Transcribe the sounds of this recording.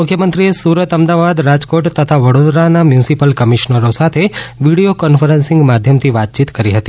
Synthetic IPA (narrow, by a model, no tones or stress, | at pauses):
ʊkʰjəmənt̪ɾiesuɾət̪əmd̪aʋad̪ɾad͡ʒkoʈt̪ət̪ʰaʋəɽod̪ɾanamjũnɪsipəlkəmiʃnəɾosat̪ʰeʋiɽiokɔnfəɾənsɪ̃ŋɡmad̪ʱjəmt̪ʰiʋat̪̚t͡ʃit̪kəɾiɦət̪i